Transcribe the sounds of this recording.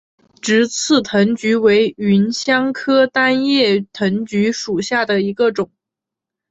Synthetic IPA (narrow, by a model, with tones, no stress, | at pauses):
ʈ͡ʂɻ̩˧˥t͡sʰɹ̩˥˩t̪ʰɤ˧˥ŋt͡ɕy˧˥we˧˥ɪy˧˥nɕjɑ˥ŋkʰɤ˥t̪a˥njɛ˥˩t̪ʰə˧˥ŋt͡ɕy˧˥ʂu˨˩ɕja˥˩d̪ə˩i˧˥ɡə˧ʈ͡ʂʊ˨˩˦ŋ